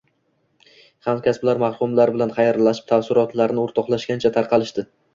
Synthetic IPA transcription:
hamkʲasblaɾmahχʊmlaɾbɪlanχɑjaɾlaʃɪ̥p̚t̪ʰafsɪɾɒt̪laɾnɪoɾt̪ʰɒχlˠaʃɡʲant͡ʃʰat̪ʰaɾqʰɑlɪʃd̪ɪ

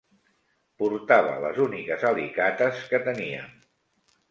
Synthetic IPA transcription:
puɾt̪aβə̰lə̰zunikəzalikat̪əskət̪əniə̰n

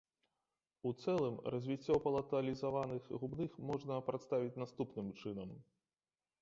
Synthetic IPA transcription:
ut̪sɛlˠɨmrɐzʲvʲit͡sʲːɔpɐlˠɐt̪ɐlʲizavanɨxɣubnɨxmɔʐnɐpɾat̪st̪avʲit͡sʲnast̪upnɨmt͡ʂɨnɐm

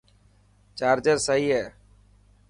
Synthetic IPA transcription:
t͡ʃaːɾd͡ʒəɾsəɦiːɦɛː

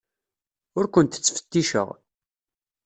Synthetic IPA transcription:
ʊɾkʷənt̪ə̥t͡sːfə̥t̪ːiʃə̰ʁ

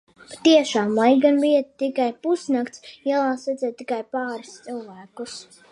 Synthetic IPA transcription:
pḁt̪iɛʃaːmlˠajɡanviɛt̪t̪ikajpusnakt̪sjɛlˠaːsɛd̪zɛt̪̚ːikajpaːɾist̪sɨlˠvæːkus

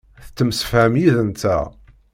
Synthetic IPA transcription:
θt͡sːəmsə̥fhæmjiðənt̪æ̰

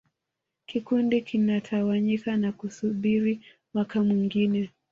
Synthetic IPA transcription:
kikundikinatʰawaɲikanakusuɓiɾi | mwakamwiŋɡinɛ

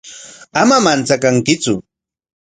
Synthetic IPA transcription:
amamant͡sakaŋkɪt͡sʊ

